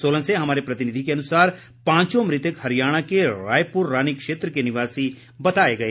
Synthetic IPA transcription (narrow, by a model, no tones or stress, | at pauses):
soːlə̃nseɦɐmaːɾepɾɐt̪ɪnɪd̪ʱikeɐnʊsaːɾ | pãːɲt͡ʃõmɾɪt̪əkhɐɾɪjaːɽ̃akeɾaːjpʊɾːaːnikʃeːt̪ɾəkenɪʋaːsi | bɐt̪aːeɡɐe